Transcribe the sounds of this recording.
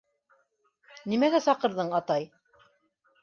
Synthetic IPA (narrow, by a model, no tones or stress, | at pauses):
nimæɡæsɑqɤ̆ɾðɤɴɑt̪ɑj